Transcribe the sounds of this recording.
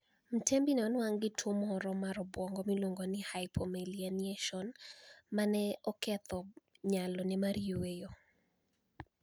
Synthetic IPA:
m̩tʰembinɛɔnwaŋɡɪtʰwomɔɾɔmaɾɔbwɔŋɡɔmilwoŋɡonɪhajpʰɔmelianieʃɔnmanɛɔkɛt̪ɔɲalɔnɪmaɾiowejo

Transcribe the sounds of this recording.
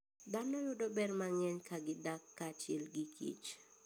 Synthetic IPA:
d̪anɔjʊdɔbɛrmaŋɛɲkʰaɡɪdakːat͡ʃɛlɡikʰḭt͡ʃ

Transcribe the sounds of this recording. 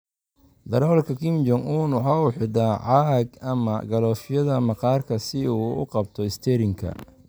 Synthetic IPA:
d̪ɐɾɔːlkʰɐkʰɪmd͡ʒɔŋuːnwɑħɑːuħɪd̪aːʕɑːɡɐmɐ̰ɡɐlɔːfɪjɐðɐmɑqɑːrkʰɐsɪuːʊ̰qɑbt̪ʰɔɪst̪ʰɛɾɪŋkʰɐ̰

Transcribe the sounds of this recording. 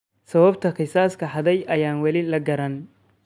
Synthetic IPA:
sɐβɐbt̪ʰɐqɪsaːskʰɐħɑðɛjʔɐjaːnwɐlɪlɐɡɐɾɐn

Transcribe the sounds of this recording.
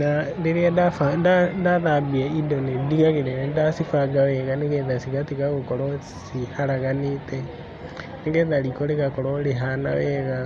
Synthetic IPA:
nadeɾeadafadadaðabiaidɔnediɣaɣeɾenɛdasifaɡawɛɣaneɣɛðasiɣatiɣaɣokɔɾɔ | sihaɾaɣanetɛ | neŋɡɛðaɾikɔɾeɣakɔɾɔɾeɦana̰wɛɣa

